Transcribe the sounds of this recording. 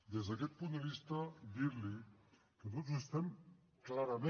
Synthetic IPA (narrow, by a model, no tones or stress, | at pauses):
d̪ezðakɛt̪̚pund̪əβist̪ad̪iɾli | kət̪ot̪zest̪ɛm | klaɾɐme